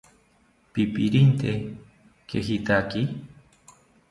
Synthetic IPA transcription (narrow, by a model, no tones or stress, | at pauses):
pipiɾint̪e | keɦit̪aki